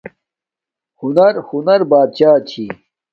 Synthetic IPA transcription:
hunɐɾhunɐɾbaːd̪̚t͡ɕaːt͡ɕʰi

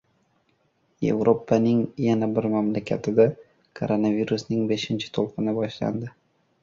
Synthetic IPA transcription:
je̞̰vɾopʰanɪŋjanabɪɾmamlakʲʰat̪ʰɪd̪a | kʰo̰ɾonaviɾusnɪŋbeʃɪnt͡ʃʰɪ̥t̪ʰolˠqɨnɪbɒʃla̰nd̪ɪ

